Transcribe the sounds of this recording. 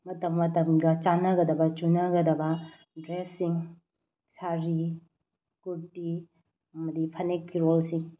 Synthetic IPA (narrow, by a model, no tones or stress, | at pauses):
mɐtɐmːɐtɐmɡɐt͡ʃanɐɡɐdɐbɐt͡ʃunɐɡɐdɐbɐ | dɾesːiŋ | saɾi | kuɾti | ɐmɐdipʰɐnekːiɾolsiŋ